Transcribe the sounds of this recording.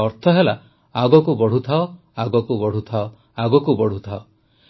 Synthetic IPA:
ɔɾt̪ʰɔɦela | aɡɔkubɔɽ̤ut̪ʰaɔ | aɡɔkubɔɽ̤ut̪ʰaɔ | aɡɔkubɔɽ̤ut̪ʰaɔ

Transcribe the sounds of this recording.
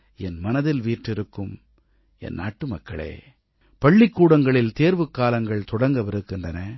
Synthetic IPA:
ɛnmɐnɐðɪlʋiːʈrɪɾɯkːɯm | ɛ̰nːa̰ːʈːɯmɐkːɐɭḛː | pɐɭːɪkːuːɽɐŋɡɐɭɪlt̪eːɾʋɯkːaːlɐŋɡɐɭt̪ɔɽɐŋɡɐʋɪɾɯkːɪndrɐnɐ

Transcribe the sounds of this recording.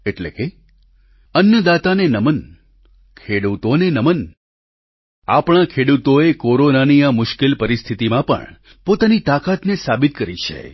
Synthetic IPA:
eʈlḛke | ənjəd̪at̪anenəmən | kʰeɽut̪onenəmən | a̰pɳ̃ãkʰeɽut̪oekoɾonaniamʊʃkelpəɾist̪ʰit̪imãpə̰ɳ | pot̪anit̪akat̪nesabit̪̚kəɾit͡ʃʰḛ

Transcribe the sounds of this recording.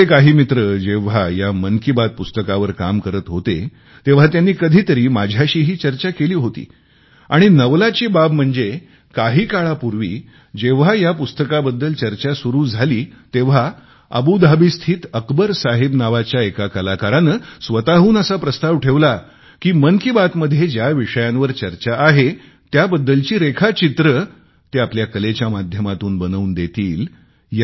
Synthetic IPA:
ekaɦiːmit̪ɾəd͡ʑeʋ̤ajamənkibad̪̚pust̪əkaʋəɾkamkəɾət̪ɦot̪e | t̪eʋ̤at̪janːiːkəd̪ʱiːt̪əɾiːmad͡ʑʱjaɕiːɦiːt͡ɕəɾt͡ɕakeliːɦot̪ḭː | aɽ̃inəʋlat͡ɕiːbab̚m̤əɳd͡ze | kaɦiːkaɭapuɾʋḭː | d͡ʑeʋ̤ajapust̪əkabəd̪ːəlt͡ɕəɾt͡ɕasuɾuːd͡zʱaliːt̪eʋ̤a | ə̰bud̪ʱabist̪ʰiːt̪əkbəɾsaɦebnaʋat͡ɕjaekakəlakaɾanəsʋət̪aɦuːnəsapɾəst̪aʋʈʰeʋla | kiːmənkibat̪məd̪ʱːjed͡ʑjaʋiʂəjãnʋəɾt͡ɕəɾt͡ɕaʔːɦe | t̪jabəd̪ːəlt͡ɕiːɾekʰat͡ɕit̪ɾə | t̪eapljakəlet͡ɕjamad̪ʱjəmat̪uːnbənəund̪et̪iːl | j

